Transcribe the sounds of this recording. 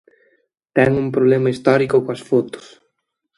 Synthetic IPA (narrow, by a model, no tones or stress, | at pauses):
t̪ɛŋumpɾoβlemɐist̪ɔɾikʊkoɐsfot̪ʊ̥s